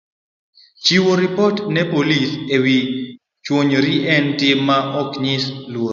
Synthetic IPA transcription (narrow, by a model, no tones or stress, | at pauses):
t͡ʃiwoɾipɔtnɛpolisewi | t͡ʃwoɲɾiʔɛntɪmːaʔɔkɲɪslwo